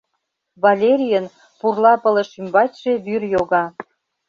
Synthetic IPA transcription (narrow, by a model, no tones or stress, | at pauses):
βɑlʲeɾʲijən | purlɑpə̆lə̆ʃymbɑtʲʒ̥e̽βyrjoɣɑ